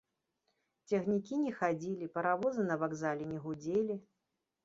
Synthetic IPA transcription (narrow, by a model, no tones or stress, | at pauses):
t͡sʲɐɣnʲikʲinʲɛxad͡zʲilʲipɐɾavɔzɨnɐvaɡzalʲɛnʲɛɣud͡zʲelʲi